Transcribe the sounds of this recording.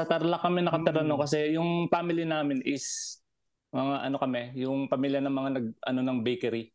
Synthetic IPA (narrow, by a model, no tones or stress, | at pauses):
ɐt̪ɐɾlakːɐmɛnɐkɐt̪ɪɾɐnokɐs̬ɛjʊŋpaːmɪljɪnaːmɪnɪs | mɐŋaʔɐno̞kɐmɛjʊŋpɐmiːljɐnɐŋmɐŋanɐɡ̚ʔɐ̰no̞nɐŋbejkɛɾi